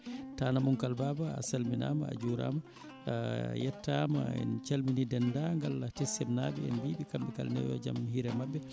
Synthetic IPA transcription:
taːnamuŋkalbabaa̰salmina̰ːmaa̰d͡ʒuɾa̰ma | jɛtːama̰ɛ̰nt͡ʃalminidɛndaŋɡalatɛsɛmnaːbɛɛnbiːɓikambɛkalnɛ̰jɔ̰d͡ʒa̰mhiɾɛmabːɛ

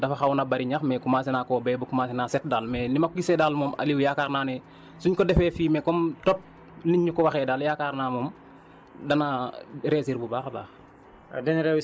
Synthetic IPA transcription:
dɐfaxawunabaɾiɲaxmɛkumaːsinaːkɔbɛːbukumasinaːsɛt̚daːlmɛnimakɡisɛdaːlmɔːmʔa̰liwjaːkaːɾnaːnɛ | suɲkɔdɛfɛːfiːmɛkɔmtɔp̚ | niɲːukɔwaxɛdaːljaːkaːɾnaːmɔm | dɐnaɾɛːsiɾbubaːxba̰ːx | dɛnɾɛwi

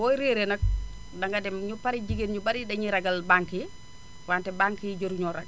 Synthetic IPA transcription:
wɔjɾeɾenɐk̚ | daŋɡadɛmɲupaɾid͡ʒiɡenɲubaɾidɐɲiɾɐɡalbaŋki | wantɛbaŋkid͡ʒoɾuɲɔɾaɡ

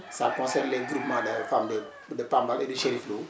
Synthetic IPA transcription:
sa̰kɔ̃sɛrnlɛɡɾupmãdəfamdə | dəpãmbaledəʃeɾiflo

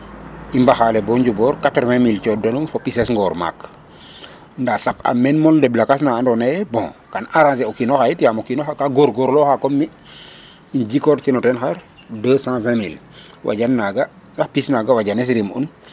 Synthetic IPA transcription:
imbaxalɛbɔɲɟubɔːɾkatɾvɛ̃milcɔdonumfɔpisɛsŋɡɔːɾma̰k | ndasaka̰mɛnmɔldɛblakasnaandɔnajɛbɔ̃kanaɾãns̬ɛɔkinɔxajitijamokinɔxakaɡoɾɡoɾlɔxakɔmːi | inɟikɔɾtinɔtɛnxaɾ | dəsãvɛ̃mil | wʔa̰ɟanːaɡa | ndaxpisnaɡawaɟanɛs̬ɾimṵn

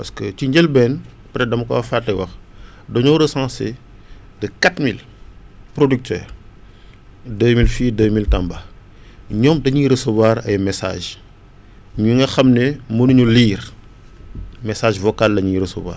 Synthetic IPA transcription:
pɐskət͡ʃiɲɟɛlbɛn | pɾɛdɐmɐkɔ̰wɐfatːɐwɐx | dɔɲɔwɾəsãːse | dɐkatmil | pɾodyk̚tʰɛ̰ːr | dəːmilfiːdəːmiltɐmbɐ | ɲɔmdɐɲiːɾəsəbwaːɾɐjmɛsa̰ːʒ | ɲuŋɡɐxɐmnɛmənuɲuliːr | mɛsaːʒvɔkaldɐɲiɾəsɐbwa̰ːɾ

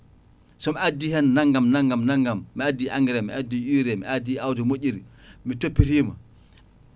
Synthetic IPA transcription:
sɔmiadːihɛnːaŋɡamnaŋɡamnaŋɡamːiadːiʔaŋɡɛɾɛmḭadiʔiɾɛmḭadiawdɛmoʔʲiɾi | mitopːiɾiːma̰

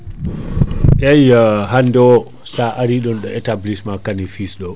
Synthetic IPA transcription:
ʔajɦandɔ | saʔaɾiɗɔnɗɔɛtablismakanifisɗɔ

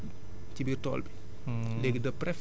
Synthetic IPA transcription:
cibirtɔ̰ːlbi | leɡdɐprɛf

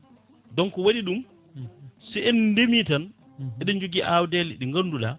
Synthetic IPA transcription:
dɔnkɔwaɗiɗum | sɛɛndemitan | ɛɗɔnd͡ʒoɡiʔawdɛliɗiŋɡanːduɗa

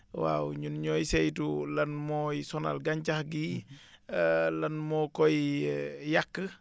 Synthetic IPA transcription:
wa̰wɲunɲɔːjsɛjtulɐnmɔːjsɔna̰lɡaɲt͡ʃahɡi | lɐnmɔːkɔj | jakːə

